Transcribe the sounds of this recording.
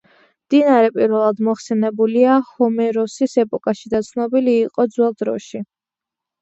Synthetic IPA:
md̪̥inaɾɛpʼiɾvɛlˠad̪mɔχsɛnɛbuliahɔmɛɾɔsisɛpʼɔkʼaʃid̪at̪sʰnɔbiliːqʼɔd̪zwɛlˠd̪ɾɔʃi

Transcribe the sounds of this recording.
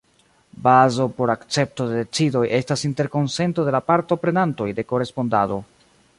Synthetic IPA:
bazo̞po̞ɾakt͡se̞p̚to̞dede̞t͡sido̞jʔe̞stasinte̞ɾko̞nse̞nto̞de̞lapaɾto̞pɾe̞nanto̞jde̞ko̞ɾe̞spo̞ndado̞

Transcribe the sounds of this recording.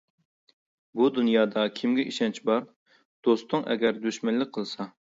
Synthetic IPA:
bud̪unjɑːd̪ɑkʲʰimɡʲɛʔiʃɛnt͡ʃʰbɑɾ | d̪̥ost̪ʊŋʔɛ̰ɡʲɛɾd̪øʃmɛnlːɪk̚ʲqʰəlˠsɑ

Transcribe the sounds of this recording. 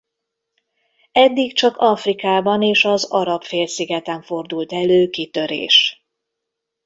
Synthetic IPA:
ɛd̪ːikt͡ʃɒkɒfrikaːbɒneːʃɒzɒɾɒpfeːlsiɡɛt̪ɛɱfo̞rd̪ult̪ɛløːkit̪ø̞ɾḛːʃ

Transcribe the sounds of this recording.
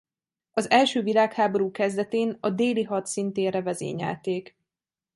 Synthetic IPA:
ɒzɛlʃøːvilaːkhaːbo̞ɾuːkɛzd̪ɛt̪eːnɒd̪eːliɦɒt̪sint̪eːrɛvɛzḛːɲɛ̰lt̪eːk

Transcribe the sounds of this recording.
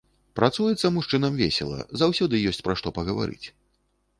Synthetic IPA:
pɾat̪sujɛt̪sːɐmuʂt͡ʂɨnɐmvʲḛsʲɛ̰lˠɐ̰zawsʲɔd̪ɨjɔsʲt͡sʲpɾaʂt̪ɔpɐɣɐva̰ɾɨ̰t͡sʲ

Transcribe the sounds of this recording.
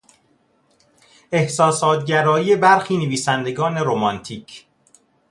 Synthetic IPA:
e̞hsɒːsɒːt̪ɟæɾɒːiːe̞bæɾxiːneviːsænd̪e̞ɡɒːne̞ɾomɒnt̪ʰiːcʰ

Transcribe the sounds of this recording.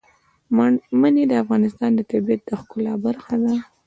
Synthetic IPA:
mmaned̪əafɣɑnɪst̪ɑnd̪ət̪abiat̪̚d̪əxkʊlɑbaɾxad̪a

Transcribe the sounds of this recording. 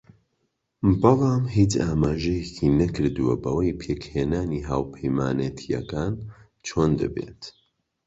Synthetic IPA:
bɨlɑːmɦiːt͡ʃaːmaːʒɐjecʰiːnɐkɨɾd̪uwɐ̰bɐwɐjpʰeːkheːnaːniːɦaːwpʰɐjmaːnet̪ʰijɐ̰kaːn | t͡ʃʰoːnd̪ɐ̰bḛːt̪

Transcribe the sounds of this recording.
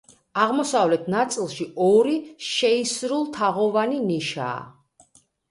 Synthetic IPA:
aʁmɔsavlɛt̪ʰnat̪sʼilˠʃiɔɾiʃɛisɾulˠt̪ʰaʁɔvaniniʃa̰ː

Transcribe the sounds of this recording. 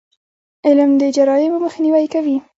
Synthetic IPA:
ɪlmd̪əd͡ʒaɾɑjɪmməxniwajkawi

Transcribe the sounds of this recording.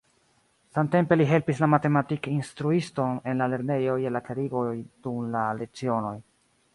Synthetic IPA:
samte̞mpe̞liɦe̞lpislamate̞matikinstɾuisto̞ne̞nlale̞ɾne̞jo̞je̞lakaɾiɡo̞jd̥umlalet͡sio̞no̞j

